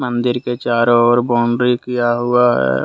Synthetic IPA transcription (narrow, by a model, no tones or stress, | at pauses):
mə̃nd̪ɪɾket͡ʃaːɾɔːɾbɔ̃ːɳɖɾikijaɦʊaɦɛ̰ː